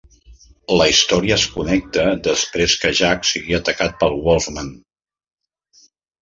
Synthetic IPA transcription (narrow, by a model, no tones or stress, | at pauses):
ləist̪ɔɾiəːskunɛk̚t̪əd̪əspɾeskəʒaksiɣiət̪əkat̪̚pəlˠwɔlˠzman